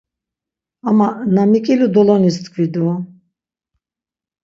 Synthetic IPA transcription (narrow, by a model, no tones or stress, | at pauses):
amanamikʼilud̪ɔlɔnist̪kʰvid̪u